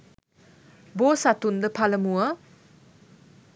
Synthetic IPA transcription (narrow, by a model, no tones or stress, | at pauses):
bosat̪und̪əpʰaləmuə